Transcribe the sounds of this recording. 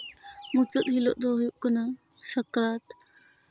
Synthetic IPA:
mut͡sət̪ɦilɔ̰ʔd̪ɔɦujuʔkəna | sɐkɾat̪

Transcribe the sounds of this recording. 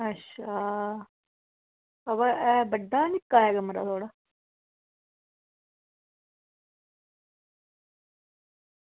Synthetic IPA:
ətːʃʰaː | əʋaʔɛːbəɖːaːnɪkːaːɦɛːɡaːməɾa̰ːt̪ʰoːɽaː

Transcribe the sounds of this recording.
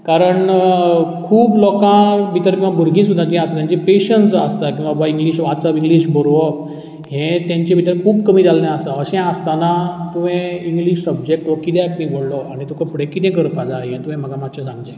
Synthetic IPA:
kaɾəɳ | kʰuːblɔkãbʱit̪əɾkĩw̃ʋabʱuɾɡĩsud̪ʱːat̪iɛ̃asat̪jãɲt͡ɕepeɕənsəst̪akĩw̃ʋabaiŋɡliːɕʋasəbiŋɡliɕbəɾʋɔ | ɦẽt̪jãɲt͡ɕẽbʱit̪əɾkʰuːbkəmiːd̪alnẽəsaəɕɛ̃əst̪anat̪uʋẽiŋɡliɕsəb̚d͡ʑek̚ʈʋəkid̪akmĩbʱəɽlɔaɽ̃it̪ũkə̃pɽekit̪ẽk̬əɾpad͡zaɦẽt̪ũɦẽm̤əɡamad̪ɕãsãŋɡd͡ʑa

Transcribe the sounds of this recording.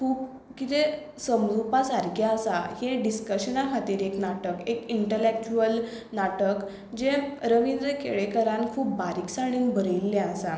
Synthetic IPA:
kʰuːp | kit̪e | səmlupasaɾkjaəsaheɖiskəɕənakʰat̪iːɾeknaʈəkekiɳʈəlek̚t͡ɕuəl | naʈək | d͡ʑẽɾəʋind̪ɾəkʰeɭekəɾãnkʰuːp̚baɾiːksaɽ̃iːnbəɾəilːeəsa

